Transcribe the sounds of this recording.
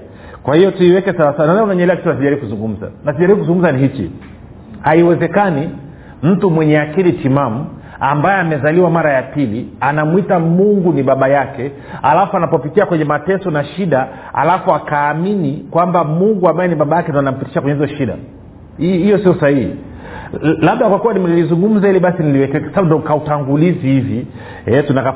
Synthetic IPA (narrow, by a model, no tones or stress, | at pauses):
kwahijɔtuiwɛkɛsawasananaunaɲɛlɛakitunas̬iʄaɾibikuzuŋɡum̩za̰nasiʄaɾibikuzuŋɡum̩zaniɦit͡ʃḭ | haiwɛzɛkani | m̩tumwɛɲɛakilitimamu | ambajɛamɛzaliwamaɾajapilianamwitamuŋɡuniɓaɓajakɛ | a̰lafuanapɔpikiakwɛɲɛmatɛsɔnaʃiɗa | a̰lafuakaːminikwambamuŋɡuambajɛniɓaɓajakɛndɔanam̩piti̥ʃakwɛɲɛhizɔʃiɗa̰ | hijɔsiɔsahihḭ | laɓ̚ɗakwakuwanimɛlilizuŋɡum̩zahiliɓasiniliwɛkɛkasaɓundɔkautaŋɡulizihivi | ɛtunaka